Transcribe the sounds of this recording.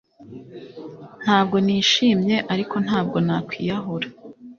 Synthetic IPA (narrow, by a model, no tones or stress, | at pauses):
n̥haːbɡo̞niːʃiːmɲe̞ʔaɾiko̞n̥haːb̚ɡo̞nakwiːjaɦoɾa